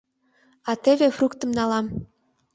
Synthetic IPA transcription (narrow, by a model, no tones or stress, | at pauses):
ɑt̪eβefrukt̪ə̆mnɑlɑm